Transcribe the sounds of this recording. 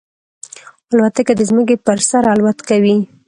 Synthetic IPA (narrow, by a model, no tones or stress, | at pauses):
alwat̪akad̪əzməkepəɾsaɾalwat̪kawi